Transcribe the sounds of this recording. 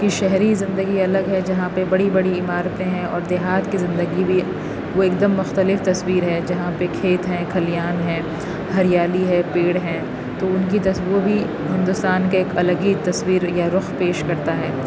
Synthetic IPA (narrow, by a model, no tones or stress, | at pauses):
kiʃɛɦɾizɪ̃nd̪əɡiɐləɡɦɛd͡ʒɐɦãpebɐɽibɐɽiɪmaːɾt̪ẽɦɛ̃ɔːɾd̪eːɦaːt̪kizɪ̃nd̪əɡibʱi | ʋoeːkd̪əmːʊxt̪əlɪft̪ɐswiːɾɦɛd͡ʒɐɦãpekʰeːt̪ɦɛ̃kʰɐlijaːnɦɛ̃ː | ɦɐɾijaːliɦɛpeːɽɦɛ̃ː | t̪oʊnk̬it̪ɐsobʱi | ɦɪ̃nd̪ʊst̪aːnkaeːkɐləɡit̪ɐswiːɾjaɾʊxpeːʃkɐɾt̪aɦɛː